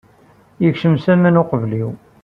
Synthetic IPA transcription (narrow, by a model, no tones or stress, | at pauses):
jəkʃəmsæmənoqəvliw